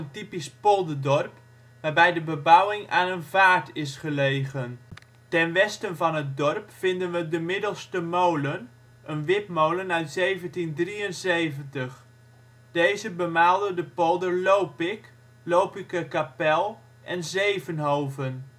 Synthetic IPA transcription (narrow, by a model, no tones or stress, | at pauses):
əntipispɔlˠdədɔrp | ʋaːɹbɛjdəbəbawɪŋaːnənvaːtɪsχəlejɣən | tɛnʋɛstənvɑnɦət̚dɔrpfɪndənʋədəmɪdəlˠstəmowlən | ʔənʋɪpmowlənœɥtsejvəntindriənsejvəntəχ | d̥ejzəbəmaːlˠdədəpɔlˠdərlowpɪk | lowpɪkəkapɛlˠ | ʔɛnzejvənɦowvən